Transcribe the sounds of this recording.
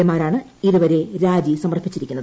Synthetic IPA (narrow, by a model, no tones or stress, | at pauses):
ɐmaːɾaːɳɨ | iðɨʋɐɾe̞ɾaːd͡ʑisɐmɐrpit͡ɕːiɾikʲːunɐð